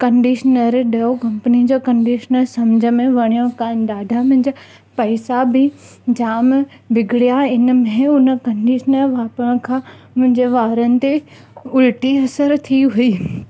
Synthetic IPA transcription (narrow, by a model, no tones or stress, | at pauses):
kɐ̃ɳɖiːʃənəɾɗɐokɐ̃mpnid͡ʑoːkɐ̃ɳɖiːʃənəɾsɐmd͡ʑʱəmẽʋɐɽ̃jõkaːɪnɗ̪aːd̪ʱamʊ̃ɦɪ̃ɲd͡ʑa | pɐɪsabʱɪ | d͡ʑaːm | ʋɪɡʱɽijaɪnəmẽʊnə̆kɐ̃ɳɖiːʃənəɾʋaːpəɽ̃kʰãːmʊ̃ɦɪ̃ɲd͡ʑeʋaːɾənɪ̆t̪e | ʊlɪʈiɐsəɾt̪ʰiɦuiː